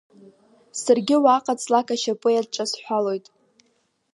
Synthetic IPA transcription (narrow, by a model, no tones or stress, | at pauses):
sarɡʲɪwaqʼat͡sʼlakʰʼaʃapʼɨjad̚ʈ͡ʂʼasħʷᶣalo̞jtʼ